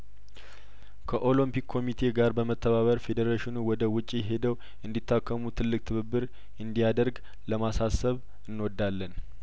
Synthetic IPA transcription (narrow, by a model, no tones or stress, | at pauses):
kʰəʔo̞lɨmpikʰːo̞mit̪ʰe̞ɡaɾbəmət̪ʰːəβaβəɾfe̞d̪əɾaʃɪnuwɔd̪əwʊt͡ʃʼːijɛɦe̞d̪əw | ʔɨnd̪it̪ːakʰːəmut̪ʰɨlːɨk̚t̪ʰɨβɨbːɨɾ | ɨnd̪ijad̪əɾɡ | ləmasasəβ | ɨnːwɔd̪ːalːən